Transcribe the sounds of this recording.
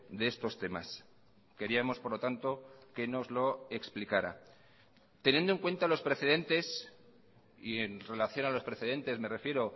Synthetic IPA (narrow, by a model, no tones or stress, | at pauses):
d̪eest̪o̞st̪e̞ma̰s | ke̞ɾiamo̞spo̞ɾlot̪ant̪o̞ke̞no̞zlo̞e̞ksplikaɾa̰ | t̪e̞njend̪oeŋkwe̞nt̪alo̞spɾeθe̞ð̞e̞nt̪e̞s | ienre̞laθjo̞nalo̞spɾe̞θe̞ð̞e̞nt̪e̞zme̞re̞fje̞ɾo̞